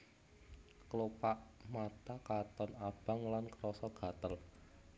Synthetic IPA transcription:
klopaʔmat̪akat̪ɔnab̥a̤ŋlankəɾɔsɔɡ̥ä̤t̪əl

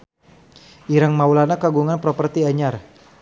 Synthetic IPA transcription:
ʔiɾaŋmaulanakaɡuŋanpɾɔpərt̪iaɲar

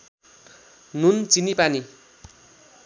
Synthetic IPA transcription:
nunt͡sinipani

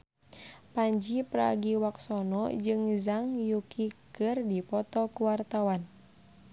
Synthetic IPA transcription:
paɲd͡ʒipɾa̰ɡiwak̚sɔnɔd͡ʒɨŋzaŋjukʰikɨrdipɔt̪ɔkuwart̪awan

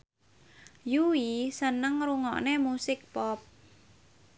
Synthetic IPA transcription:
juisənəŋruŋɔ̰ʔnemusɪk̚pɔp̚

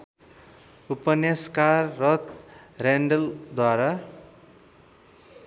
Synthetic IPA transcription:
upʌneskarːʌt̪reɳɖʌld̪waɾa

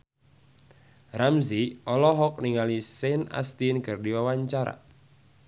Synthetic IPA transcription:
ramziʔɔlɔɦɔk̚niŋalisɛna̰st̪inkɨrdiwawaɲt͡ʃaɾa̰

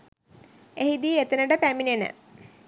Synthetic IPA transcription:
eɦid̪iːet̪enəɖəpæminenə̰

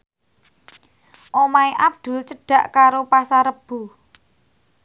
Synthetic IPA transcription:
ʔomaiʔab̚d̪̥ʊ̤lt͡ʃəɖ̥ä̤ʔkaɾopasaɾəb̥ṳ

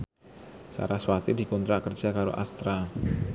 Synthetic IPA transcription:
sa̰ɾaswat̪idi̤kɔnt̪ɾakərd͡ʒakaɾo̰ʔast̪ɾa

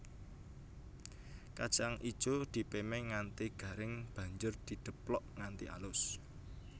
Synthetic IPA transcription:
kḁʒ̥aŋʔi̥t͡ʃod̪̥i̤pemɛŋant̪iɡ̥ä̤ɾɪŋb̥a̤ɲd͡ʒʊrd̪̥i̤d̪̥ə̤plɔʔŋant̪iʔa̰lʊs

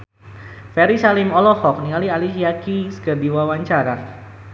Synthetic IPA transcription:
fɛɾisalimɔlɔhɔk̚niŋalialiʃiakiskərdiwawaɲt͡ʃaɾa

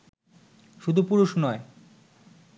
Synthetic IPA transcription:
ʃud̪ʱupuɾuʃnɔe

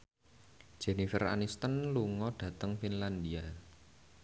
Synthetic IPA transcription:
d̥ʒ̥ɛ̤nifɛra̰nist̪ənluŋɔɖ̥ä̤t̪əŋfinland̪ia

